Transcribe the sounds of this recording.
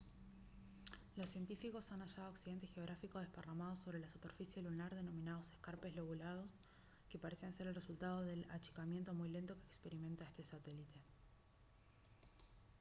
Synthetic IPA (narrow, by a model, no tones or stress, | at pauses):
lo̞sːje̞nt̪ifiko̞sanaʃaðooksiðe̞nt̪̬exeo̞ɣ̞ɾafiko̞ð̞eparamað̞oso̞βɾe̞lasupeɾfisjeelunaɾðe̞no̞mĩnaðo̞se̞skaɾpe̞zlo̞ɣulað̞o̞s | ke̞paɾesianse̞ɾelresult̪að̞o̞ðe̞la̰t͡ʃi̥kamjent̪o̞mujle̞nt̪o̞kekspe̞ɾime̞nt̪aest̪e̞sat̪elit̪ʰe̞